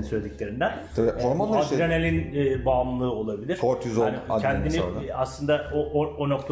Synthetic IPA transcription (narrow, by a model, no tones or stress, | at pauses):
nsølʲed̪icʲlʲe̞ɾind̪ænʰoɾmaaɡɾenelʲinɛːbaːmlˠɯːo̞lˠabilʲiɾ̥koɾt̪ʰizoancʰɛnd̪iniaslˠɯnd̪aooono̞k̚t̪ʰa